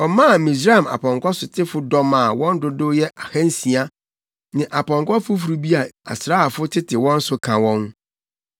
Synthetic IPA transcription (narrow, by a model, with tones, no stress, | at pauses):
ɔ˨mã˦˨mĩ˨s̬ɾa˦a˨m˨a̰˨pʰɔ̃˨ŋkʷɔ˦sʊ˨tʰɪ˦fʊ˦dɔ˦mã˨wɔ̃˦n˦dʊ˦dʊ˦jɛ˦ʔa˨hã˦n̩˦si˨a˦ | nɪ̃˨ʔa˨pʰɔ̃˨ŋkɔ˦fʊ˦fu˨ɾu˦bi˦a˨a̰˨sɾa˦˨fʊ˦tʰɪ˦tʰɪ˨wɔ̃˦n̩˦sʊ˦kʰã˨wɔ̃˦n